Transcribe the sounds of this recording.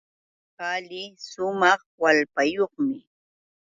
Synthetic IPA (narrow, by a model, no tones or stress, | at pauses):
palɪsʊmɑχwalpajoχmɪ